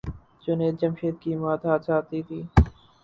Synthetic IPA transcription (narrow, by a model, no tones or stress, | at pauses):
d͡ʒʊneːt̪̚d͡ʒəmʃeːt̪̚kiːmaːt̪ʰaːt̪saːt̪iːt̪ʰiː